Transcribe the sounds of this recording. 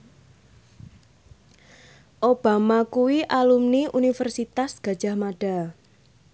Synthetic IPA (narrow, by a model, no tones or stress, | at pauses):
ʔob̥a̤makuwiʔalumniʔunifərsit̪asɡ̥a̤d̥ʒ̥ä̤hmaɖ̥a̤